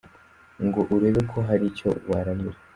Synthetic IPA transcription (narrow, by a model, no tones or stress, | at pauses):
ŋɡo̞ʔuɾe̞βe̞kʰo̞ɦaɾico̞̰waɾaɲiɾe